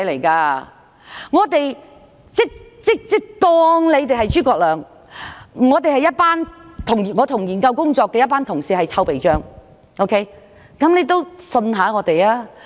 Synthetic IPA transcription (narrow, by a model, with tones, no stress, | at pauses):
le˨˩jkaː˧ | ŋɔː˨˧t̪e˨j | t͡sɪ˥k̚t͡sɪ˥k̚t͡sɪ˥k̚t̪ɔː˧ŋle˨˧jt̪̬e˨ɦɐ˨jt͡ʃyː˥kɔː˧k̚lœː˨˧ŋ˨ | ŋɔː˨˧t̪e˨jhɐ˨jːɐ˥t̚paː˥nt̪ʰʊ˨˩ŋ˨˩ŋɔː˨˧t̪ʰʊ˨˩ŋjiː˨˩nkɐ˧wkʊ˥ŋt͡sɔː˧kːɛː˨˧jɐ˥t̚paː˥nt̪ʰʊ˨˩ŋsiː˨˧hɐ˨jt͡sʰɐ˥wpe˨jt͡ʃœː˥ŋ | ʔo˥wkʰe˥j | kɐ˨˥mne˨˧jt̪o˥wsɵ˧nɦaː˨˥ŋɔː˨˧t̪e˨jlaː˥